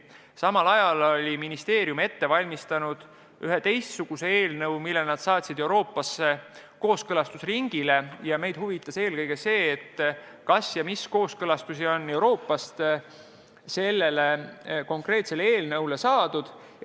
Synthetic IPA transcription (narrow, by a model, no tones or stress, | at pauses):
sɑmɑlɑjɑlolʲiminist̪e̞ːɾjume̞t̪ːe̞vɑlʲmist̪ɑnud̪̥ | yɦet̪e̞jst̪suɡ̥use̞e̞ːlnɤwmilːelnɑd̪̥sɑːt̪ʲsid̪e̞uwɾo̞ːpːˑɑsːe̞ | ko̞ːskɤlɑst̪usriŋɡ̥ile̞jɑme̞jd̪̥huvit̪ːˑɑse̞ːlkɤjɡ̥e̞se̞ːt̪ː | kɑsjɑmisko̞ːskɤlɑst̪usio̞nːe̞wɾo̞ːpːˑɑst̪ | se̞lːe̞le̞ko̞ŋkre̞ːt̪se̞leeːlnɤwle̞sɑːd̪̥ud̪̥